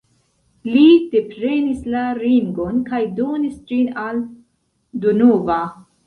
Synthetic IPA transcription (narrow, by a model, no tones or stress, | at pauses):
lide̞pɾe̞nislaɾiŋɡo̞nkajdo̞nisd͡ʒinal | dunova